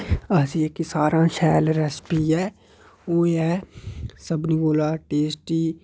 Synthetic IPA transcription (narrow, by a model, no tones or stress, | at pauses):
əsiːekisaːɾãːʃɛːlɾɛspiːɛː | oːɛːsəbnĩːboːlaːʈeːsʈiː